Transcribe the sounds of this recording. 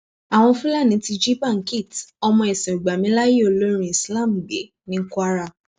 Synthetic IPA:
a˨w̃ɔ̃˧fũ˦la˦˨nĩ˨˦ti˧d͡ʒi˦pa˦˨ki˦˨tɔ˧mɔ̃˧e˨sĩ˨o˨ɡ͡ba˨mĩ˦la˦ji˦o˦˨lo˦ɾ̃ĩ˧i˨sla˦˨m̩˨ɡ͡be˨˦ | nĩ˦ku˦a˦ɾa˦˨

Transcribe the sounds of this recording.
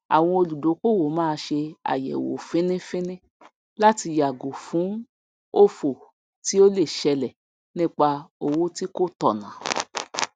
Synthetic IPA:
a̰˨w̃ɔ̃˧o˧lu˨do˨˦ko˦˨wo˨˦mãː˦˧ʃe˧a̰˨jɛ̰˨wo̰˨fĩ˦nĩ˦fĩ˦nĩ˦ | la˦ti˧ja˨ɡo˨fũ˨˦ | o˦fo˨ | ti˦o˦le˦˨ʃɛ˧lɛ˨ | nĩ˦k͡pa˧o˨wo˦ti˦ko˦tɔ˨nã̰˨˦

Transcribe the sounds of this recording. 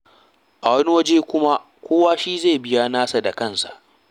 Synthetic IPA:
ʔa˨wɐ˦ni˦wɐ˦d͡ʒeː˦kʷʊ˦ma˦ | kʷoː˦waː˦ʃiː˦ze˦˨bɪ˦ja˦naː˦sa˨da˨kɐ˦˨nsa̰˨ʔ

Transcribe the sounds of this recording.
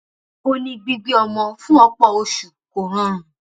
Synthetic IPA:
o˧nĩ˧ɡ͡bi˧ɡ͡bi˧ɔ˧mɔ̃˧fũ˦ɔ˧k͡pɔ˦˨o˧ʃu˨ko˨ɾ̃ã˦ɾ̃ũ˨

